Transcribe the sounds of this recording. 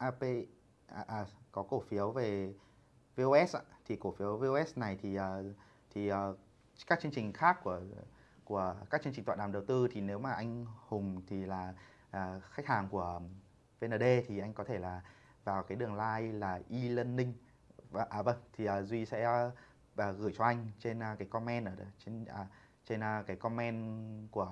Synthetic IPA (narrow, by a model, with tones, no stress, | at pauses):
ʔaː˧pe˧˨˩ | ʔaː˨˩kɔ˨˦ko˧˩fi˨˦əwve˨˩ | ve˧ʔo˧ʔɛ˦˥sʔa̰ː˧t̪ʰi˨˩ko˧˩fi˨˦əwve˧o˧ʔɛ˦˥sna˨˩jt̪ʰi˨˩ʔəː˨˩ | t̪ʰi˨˩ʔə˨˩ | kaː˦˥k̚t͡ɕɨ˧əŋt͡ɕï˨˩ŋ̟xaː˦˥kːu˧˩ə | ku˧˩əkaː˦˥k̚t͡ɕɨ˧t͡ɕi˨˩ŋ̟wa̰ː˧˨ɗaː˨˩ɗə˨˩wt̪ɨ˧t̪ʰi˨˩ne˨˦wmaː˨˩ʔa˧jŋ̟hʊ˨˩ŋ͡mt̪ʰi˨˩laː˨˩ | aː˨˩xa˦˥k̟̚haː˨˩ŋku˧˩ə | ve˧nəː˧˩ɗe˧t̪ʰi˨˩ʔa˧jŋ̟kɔ˨˦t̪ʰe˧˩laː˨˩ | vaː˨˩wkaː˨˦jɗɨ˨˩əŋlaː˧jlaː˨˩ʔi˧lə˧nːï˧ŋ̟˧ | ʔaː˨˧˩və˧nt̪ʰi˨˩ʔəː˨˩zwi˧sɛ̰˧˥ | ʔəː˨˩ɣɨː˧˩jt͡ɕɔ˧ʔa˧jŋ̟t͡ɕe˧n˧kaː˨˦jkɔ˧mɛ˧nʔəː˧˩˨t͡ɕe˧nː˧˩ | t͡ɕe˧nʔkaː˨˦jkɔ˧mɛ˧nku˧˩ə